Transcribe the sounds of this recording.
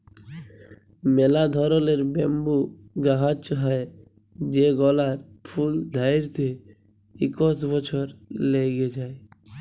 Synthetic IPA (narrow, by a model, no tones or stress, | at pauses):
melad̪ʱɔɾɔleɾbɛmbu | ɡaɦat͡ʃɦɔe | d͡ʒeɡɔlaɾpʰuld̪ʱaiɾt̪ʰe | ikɔsbɔt͡ʃʰɔɾleɡed͡ʒae